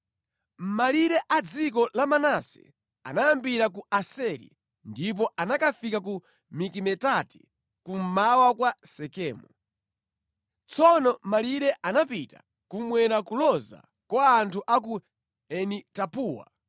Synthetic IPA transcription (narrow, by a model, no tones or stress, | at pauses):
m̩maliɾɛʔad͡zik̬ɔlamanasɛ̰ | a̰najambiɾakuasɛɾḭ | ndip̬ɔʔanakafikaku | mikimɛtati̥ | kum̩mawakwasɛkɛːmu | t͡sɔnɔmaliɾɛʔanapita̰ | kumwɛɾakulɔza̰ | kwaːntʰuʔak̬u | ɛnitapuːwa̰